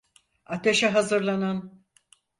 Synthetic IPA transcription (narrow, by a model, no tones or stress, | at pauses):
at̪ʰeʃɛɦazɯɾlˠanan